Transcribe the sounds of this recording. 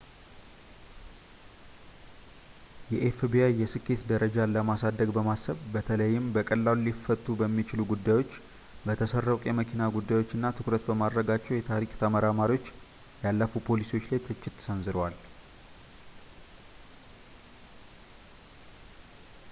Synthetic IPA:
jɛʔefbiajɛsɨkːe̞t̪d̪əɾəd͡ʒaləmasad̪ːəɡbəmasːəβbət̪ʰələjːɪmbəkʼəlːallifət̪ʼːubəmːit͡ʃɪluɡud̪ːajwo̞t͡ʃː | bət̪ʰəsərːəwkʼjɛməkʰinaɡud̪ːajwo̞t͡ʃːɨnːat̪ʰɨkɾət̪bəmad̪ɾəɡat͡ʃːɛwjɛt̪ʰaɾikʼt̪ʰəməɾamaɾiwo̞t͡ʃː | jalːəfupʰo̞lisio̞t͡ʃːlajt̪ʰɨt͡ʃːɪt̪ːsənzɨɾwal

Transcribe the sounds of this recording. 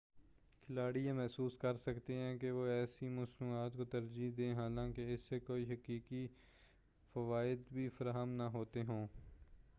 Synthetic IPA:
kʰɪlaːɽijãmɛɦsuːskɐɾsɐkt̪eɦɛ̃ːkeʋoɛːsimʊsnuːaːt̪kot̪ɐɾd͡ʒid̪ẽːɦaːlãːkeɪsːekoːiɦɐkiːki | fɐʋaːɪd̪bʱifɐɾaːɦəmnɐɦoːt̪eɦõː

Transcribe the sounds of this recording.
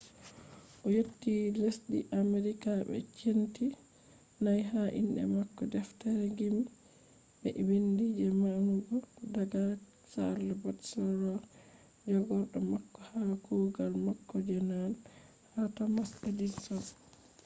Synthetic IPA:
ʔɔjotːilesɗḭʔameɾikaɓɛ̰t͡ʃenti | najɦaʔḭnɗɛ̰makːɔdɛftaɾɛɡim | bɛ̰wendid͡ʒɛmanuɡɔdaɡa | sa̰ɾlɛbɔtsɔɾɔ | d͡ʒɔɡɔɾɗɔmakːɔhakoɡalmakːɔd͡ʒɛnan | hatamasadisɔ

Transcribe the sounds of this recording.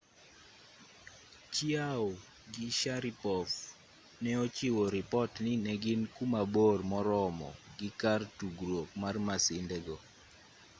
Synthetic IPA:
t͡ʃiao | ɡiʃaɾɪpɔf | nɛot͡ʃɪwoɾɪpɔtnɪnɛɡɪnkumabormɔɾɔmɔ̰ɡɪkartuɡɾwok̚marmasɪndɛɡɔ

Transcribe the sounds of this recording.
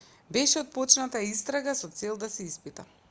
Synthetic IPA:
bɛʃɛɔt̪̚pɔt͡ʃnat̪aist̪ɾaɡasɔt̪sɛlˠd̪asɛispit̪a

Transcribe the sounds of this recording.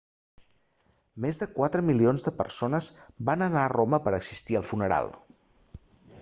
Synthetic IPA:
mezðəkwat̪ɾəmilionzðəpə̰rsonəzbanənaəroməpəɾəɡzist̪iəlˠfunəɾa̰lˠ

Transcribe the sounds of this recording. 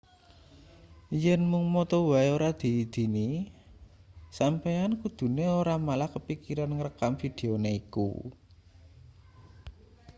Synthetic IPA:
jɛnmʊŋmɔt̪ɔwaioɾad̪̥i̤ːd̪̥i̤ni | sampejankud̪̥ṳneoɾamalahkəpikiɾanŋəɾəkamfid̪̥e̤oneikṵ

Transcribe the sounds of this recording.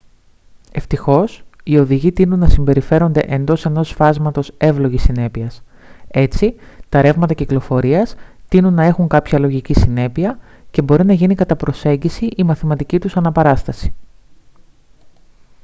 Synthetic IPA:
e̞ft̪ixo̞sio̞ðiʝit̪inunːɐsimbe̞ɾife̞ɾo̞nd̪eʔend̪o̞se̞no̞sfɐzmɐt̪o̞se̞vlo̞ʝisine̞piɐs | e̞t͡sit̪ɐɾe̞vmɐt̪ɐciklo̞fo̞ɾiɐst̪inunːɐe̞xuŋkɐpçɐlo̞ʝicisine̞piɐ | ce̞bo̞ɾinɐʝinikɐt̪ɐpɾo̞se̞ɲɟisiʔimɐθimɐt̪icit̪usɐnɐpɐɾɐst̪ɐsi̥

